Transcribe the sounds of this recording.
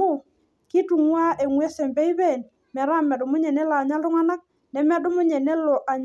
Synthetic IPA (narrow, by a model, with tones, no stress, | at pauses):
u˦˨ | ki˦tu˨ŋwa˦ʔe˨ŋwɛ˦sɛ˨mbɛ˦i˦bɛ˦˨n | mɛ˨ɾa˦mɛ˨dʊ˨mʊ˦ɲɛ˨nɛ˦laː˨ɲa˦lʊ˦ŋa˦na˦k̚ | nɛ˨mɛ˦dʊ˦mʊ˦ɲɛ˨nɛ˦lo˨ʔa˨ɲ